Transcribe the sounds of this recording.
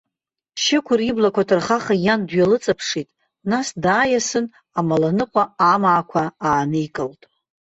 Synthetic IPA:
ʃɪkʷʰʊriblakʷʰatʰɨrχaχajandɥalɨt͡sʼapʰʂitʼ | nasdaːjasɨn | amalanɨqʷʼaamaːkʷʰaaːnɨikʼɨltʼ

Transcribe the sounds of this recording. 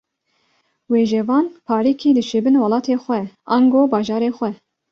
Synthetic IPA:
weːʒɛvɑːnpʰɑːɾikʰiːd̪ɨʃebɨnwɑlɑːt̪ʰeːxʷɛʔɑŋɡoːbɑːʒɑːɾeːxʷɛ

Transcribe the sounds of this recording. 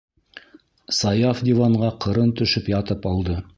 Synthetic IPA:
sɑjɑfd̪ʲivɑɴʁɑqʰɤ̆ɾɤnt̪ɵ̆ʃɵpjɑt̪ɤpɑlˠd̪ɤ

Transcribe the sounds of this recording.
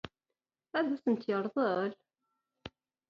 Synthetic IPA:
æðæθənt̪jəɾˤðˤəl

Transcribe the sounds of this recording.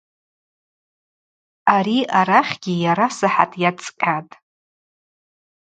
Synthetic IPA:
aɾiaɾaχʲɡʲijaɾasaħa̰tʼjat͡sʼkʲʼatʼ

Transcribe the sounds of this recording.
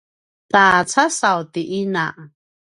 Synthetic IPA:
t̪aːt͡sʰasawt̪iʔina

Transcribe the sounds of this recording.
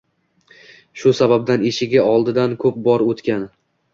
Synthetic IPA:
ʃʊsabab̚d̪ane̞ʃɪɡʲɪɒlˠd̪ɪd̪ankʰɵp̚bɒɾot̪kʲan

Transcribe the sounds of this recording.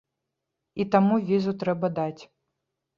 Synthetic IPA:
it̪amuvʲizut̪ɾɛbɐd̪at͡sʲ

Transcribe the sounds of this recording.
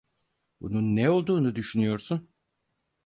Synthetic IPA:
bununːɛo̞lˠd̪uːnud̪yʃynyjo̞ɾsun

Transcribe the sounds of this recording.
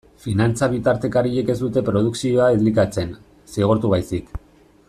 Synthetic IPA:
finant͡saβ̞it̪aɾt̪e̞kaɾiʎeke̞zd̪ut̪e̞pɾo̞ðuksio̞aezlikat͡se̞n | siɣ̞oɾt̪uβajsik

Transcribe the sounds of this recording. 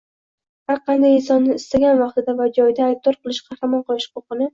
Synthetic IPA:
haɾqʰɑnd̪ajɪnsɒnːɪːst̪aɡʲanvɑqt̪ɪd̪avad͡ʒɒjd̪aːjb̚d̪ɒɾqʰɨlˠɪʃqʰɑhɾamɒnqʰɒlˠɪʃhʊqʊqɨnɪ

